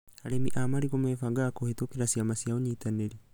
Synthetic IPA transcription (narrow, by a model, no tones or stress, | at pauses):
aɾemiʔamaɾiɣomɛfaɡakohetokeɾasiamasiaoɲitaneɾi